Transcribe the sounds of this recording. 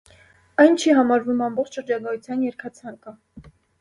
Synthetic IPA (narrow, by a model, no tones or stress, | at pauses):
ɑjnt͡ʃʰiɦɑmɑɾvumɑmbɔχt͡ʃʃəɾd͡ʒɑɡɑjut͡sʰjɑnjɛɾkʰɑt͡sʰɑŋkə